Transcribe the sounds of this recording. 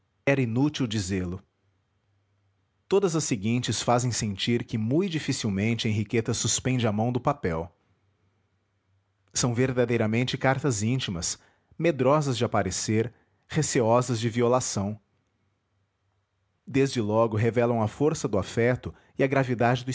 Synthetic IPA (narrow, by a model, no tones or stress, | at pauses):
ɛɾɐinut͡ʃiwd͡ʒizeɾlʊ | t̪od̪ɐzɐsɪɡĩnt͡ʃɪsfazẽj̃sẽnt͡ʃiɾkɪmũjd͡ʒifisiwmẽnt͡ʃɪɐẽɦiket̪ɐsuspẽnd͡ʒɪamɐ̃w̃d̪ʊpapɛw | sɐ̃w̃veɾd̪ad̪ejɾɐmẽnt͡ʃɪkaɾt̪ɐzĩnt͡ʃimɐs | med̪ɾɔzɐzd͡ʒɪapaɾeseɾ | heseɔzɐzd͡ʒɪviolasɐ̃w̃ | d̪ezd͡ʒɪlɔɡʊɦevɛlɐ̃w̃ɐfoɾsɐd̪ʊafɛt̪ʊ | ɪɐɡɾavid̪ad͡ʒɪd̪ʊ